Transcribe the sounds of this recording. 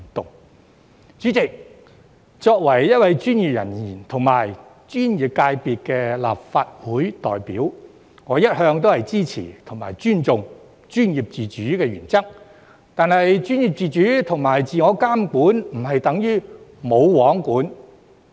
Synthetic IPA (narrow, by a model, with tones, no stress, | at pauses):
t̪ʊ˨ŋ | t͡ʃyː˨˥t͡sɪ˨k̚ | t͡sɔː˧k̚wɐ˨˩jːɐ˥t̚wɐ˨jt͡ʃyː˥njiː˨p̚jɐ̰˨˩njiː˨˩nt̪ʰʊ˨˩ŋmaː˨˩j | t͡ʃyː˥njiː˨˩p̚kaː˧jpiː˨˧t̚kɛː˧la̰ː˨p̚faː˧t̚wuː˨˥jt̪ɔː˨˩jpiː˨˥w | ŋɔː˨˧jɐ˥t̚hœː˧ŋt̪o˥whɐ˨jt͡siː˥t͡sʰḭː˨˩t̪ʰʊ˨˩ŋma̰ː˨˩jt͡ʃyː˥nt͡sʊ˨ŋ | t͡ʃyː˥njiː˨p̚t͡siː˨t͡ʃyː˨˥kɛː˧ɥyː˨˩nt͡sɐ˥k̚ | t̪aː˨˧nhɐ˨jt͡ʃyː˥njiː˨p̚t͡siː˨˧t͡ʃyː˨˥t̪ʰʊ˨˩ŋmaː˨˩jt͡siː˨ŋɔː˨˧kaː˥mkuː˨˥nm̩˨˩ɦɐ˨jt̪ɐ˨˥ŋjyː˥mo˨˧wwɔː˨˥ŋkuː˨˥n